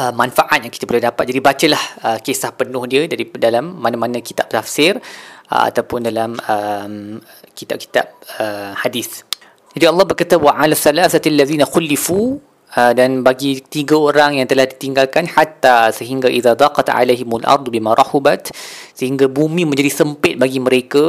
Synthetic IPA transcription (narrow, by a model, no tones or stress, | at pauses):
ʔəmanfaʔat̪̚jaŋki̥t̪əbəlahdapat̪̚d͡ʒadibat͡ʃəlahəkesahpənʊ̃hdiədaɾidalamːanãmanə̃ki̥t̪ap̚t̪afsɪrə̰a̰t̪awpʊndalaməm | kit̪ap̚ki̥t̪a̰p̚əmhadiθ | d͡ʒadiɑlːɑhbərkat̪awaʕalasːalaːθat̪alːaðiːnaxʊlːifu | ədanbaɡit̪iɡaoɾaŋjaŋt̪əlahdit̪iŋɡalkanħat̪ːasəɦiŋɡaʔiðad̪ɑːqɑt̪ʕa̰lajɦɪmalʔɑ̰ɾˤd̪ˤbimãɾˤɑhubat̪səhiŋɡabumĩmə̃ɲd͡ʒadisəmpɪt̪̚baɡiməɾeka